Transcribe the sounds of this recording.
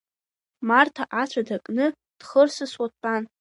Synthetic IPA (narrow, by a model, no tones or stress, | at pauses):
martʰaʔat͡ɕʷʰadakʼnɨ | d̥χərsɨswaan